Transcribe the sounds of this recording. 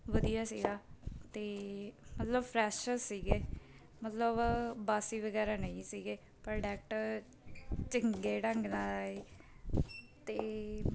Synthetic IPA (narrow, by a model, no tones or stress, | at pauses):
ʋəd̪ijaːsḭːɡaːt̪eːmət̪ləbpʰɾɛːʃəsiːɡeː | mət̪ləbbaːsiːʋəɡɛːɾaːnəĩːsiːɡeː | pəɾɖɛːk̚ʈ | t͡ʃɪŋɡeːɖəŋɡnaːlaːeː | t̪eː